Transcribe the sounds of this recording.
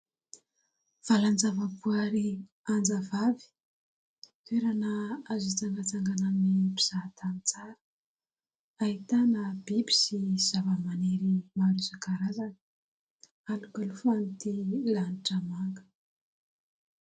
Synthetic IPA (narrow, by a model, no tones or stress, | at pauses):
v̥aland͡zavapuaɾi | and͡zavavi̥ | t̪uweɾanaazit͡saŋɡat͡saŋɡanaminipi̥z̥at̪anit͡saɾə̥ | aɦit̪anab̥ibi̥siz̥avəmaneɾimaɾuzakaɾazanə | alukalufanit̪ilaniʈ͡ʂəmaŋɡə̥